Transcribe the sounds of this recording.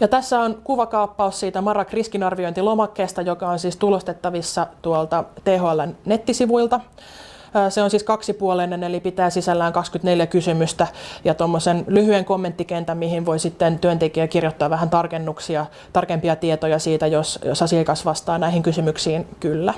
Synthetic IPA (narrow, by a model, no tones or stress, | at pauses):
jɑt̪æsːæonkuʋɑkɑupːɑussiːt̪æmɑrɑkriskinɑrʋioint̪ilomɑkːeːst̪ɑjokɑonsiːst̪ulost̪et̪ːɑʋisːɑt̪uolt̪ɑt̪eɦoɑlːɑnnet̪ːisiʋuilt̪ɑː | seonsiːskɑksipuolenːenelipit̪æːsisælːæːŋkɑkskyt̪neljækysymyst̪æjɑt̪omːosenlyhyeŋkomːent̪ːikent̪æmmihiʋʋoisit̪ːent̪yønt̪ekiækirjot̪ːɑːʋʋæɦænt̪ɑrkenːuksiɑ | t̪ɑrkempiɑt̪iet̪ojɑsiːt̪æjosjo̰sɑsiɑikɑsʋɑst̪ɑːnæihiŋkysymyksiːnkylːæ